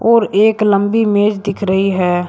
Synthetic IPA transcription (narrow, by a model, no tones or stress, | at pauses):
ɔːɾeːklə̃mbimeːd͡ʒd̪ɪkʰɾəɦiɦɛː